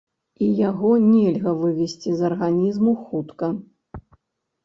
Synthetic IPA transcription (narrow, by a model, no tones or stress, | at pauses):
ijaɣɔnʲɛlʲɣɐvɨvʲɛsʲt͡sʲizɐrɣanʲizmuxut̪kɐ